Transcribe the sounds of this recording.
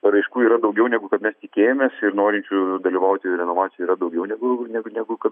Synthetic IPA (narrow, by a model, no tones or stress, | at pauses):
ɾɐɪʃkuːiːɾɐd̪ɒʊɡʲɛʊnʲæːɡʊkɐt̪mʲɛst̪ʲɪkʲeːjomʲeːsɪɾnoːɾʲɪnʲt͡ʃʲud̪ɐlʲiːʋɐʊt̪ʲɪɾʲɛnoːʋɑːt̪ʲɪjɛiːɾɐd̪ɐʊɡʲɛʊnʲɛːɡʊnʲæɡʊnʲæːɡʊkɐt̪